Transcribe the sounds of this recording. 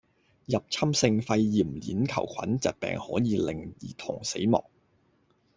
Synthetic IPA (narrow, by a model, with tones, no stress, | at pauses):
jɐ˨p̚t͡sʰɐ˥msɪ˧ŋfɐ˧jːiː˨˩mlḭː˨˥nkʰɐ˨˩wkʷʰɐ˨˥nt͡sɐ̰˨˩t̚pɛ̰ː˨ŋhɔː˨˥jiː˨˧lɪ˨˩ŋjiː˨˩t̪ʰʊ˨˩ŋse˨˥jmɔ̰ː˨k̚